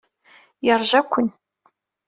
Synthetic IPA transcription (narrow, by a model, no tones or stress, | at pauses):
jarʒakʷʰʊn